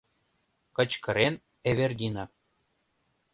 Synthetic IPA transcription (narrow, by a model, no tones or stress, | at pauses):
kɤ̆t͡ɕkɤ̆ɾen | eβerd̪ʲinɑ